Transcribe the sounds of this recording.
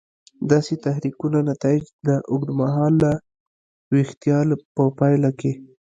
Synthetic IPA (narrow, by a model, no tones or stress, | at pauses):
d̪ɑset̪aɦɾikunanat̪ɑjɪd͡ʒd̪əʔʊɡd̪maɦɑlːa | ɾext̪ijɑlpəpɑjlake